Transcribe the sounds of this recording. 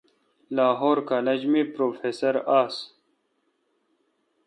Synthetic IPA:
laːɦoːɾkaːlɐd͡ʑmipɾoːfeːsɐɾaːs

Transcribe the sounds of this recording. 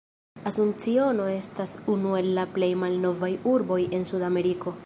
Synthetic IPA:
asunt͡sio̞no̞e̞stasunue̞lːaple̞jmalno̞vajuɾbo̞je̞nsudame̞ɾiko̞

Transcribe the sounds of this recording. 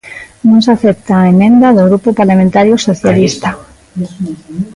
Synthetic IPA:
nõŋsaθep̚t̪aːemẽnd̪aðoɣɾupopaɾlamẽnt̪aɾjosoθjalist̪a

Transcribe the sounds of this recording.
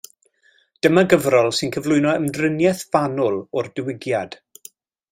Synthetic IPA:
d̥əmaɡəvrɔlˠsɪnkʰəvlˠʊɨnɔəmdrɪnjɛθv̥anʊlˠɔrdɪwɪɡjad̥

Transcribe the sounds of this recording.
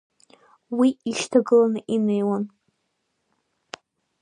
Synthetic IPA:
wiiʃtʰaɡɨlanɨʔinejwan

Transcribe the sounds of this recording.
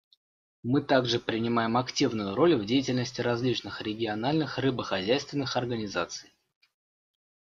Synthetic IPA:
mɨt̪aɡʐɨpɾʲɪnʲɪmajɪmɐktʲivnʊjʊɾo̞lʲvdʲejɪtʲɪlʲnəsʲtʲɪɾɐzʲlʲit͡ɕnɨxɾʲɪɡʲɪɐnalʲnɨxrɨbəxɐzʲæjst̪vʲɪnːɨxɐrɡənʲɪzat̪sɨj

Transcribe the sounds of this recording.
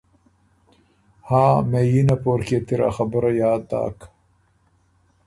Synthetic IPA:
haːmejinɐpoːɾket̪iɾɐ̰xɐbəɾɐjaːd̪a̰ːk

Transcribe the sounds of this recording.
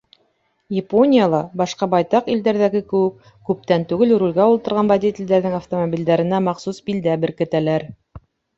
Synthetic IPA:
jɪponʲijalˠɑbɑʃqɑbɑjt̪ɑqild̪æɾðæɡɘkɘ̆wɘk | kːʉp̚t̪ænt̪ʉɡɘlɾulʲɡɑulˠt̪ɤ̆ɾʁɑnvɐd̪ʲit̪ʲɪ̆lʲd̪æɾðɘŋaft̪omobʲild̪æɾɘ̆næmɑqsusbild̪æbɘ̆ɾkɘ̆t̪ælæɾ

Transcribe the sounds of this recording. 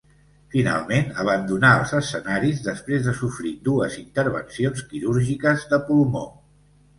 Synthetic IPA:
fina̰lˠmenəβ̞ənd̪unaəlˠzəsːənaɾizðəspɾezðəsufɾid̪uəzint̪əɾβə̰nsionskiɾuɾʒikəzðəpulumo

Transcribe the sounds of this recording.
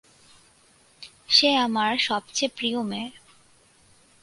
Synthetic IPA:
ʃeamaɾʃɔbt͡ɕepɾiome

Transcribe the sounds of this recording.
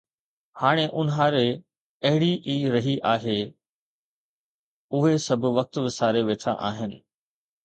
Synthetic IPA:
haːɽ̃eʔʊnɦaːɾe | ɐɦɪɽiʔiːɾɐɦiʔaːɦe | ʊɦesɐbʱʊ̆ʋɐk̚t̪ʋɪsaːɾeʋeːt̪ʰa̰ʔa̰ːɦɪnɪ̆

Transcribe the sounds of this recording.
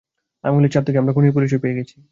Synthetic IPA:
a̰mulit͡ɕaɾt̪ʰekeamɾakʰunip̬uɾiʃ̬obpejeɡɛt͡ɕʰi̥

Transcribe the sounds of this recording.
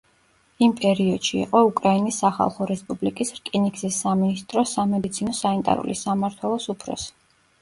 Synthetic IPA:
impʼɛɾiɔd̪̥ʃḭːqʼɔukʼɾainisːaχa̰lˠχɔɾɛspʼublikʼisɾkʼiniksisːaminist̪ʼɾɔsamɛd̪it̪sʰinɔsanit̪ʼa̰ɾṵlḭsamaɾt̪ʰwɛlˠɔsupʰɾɔ̰si̥

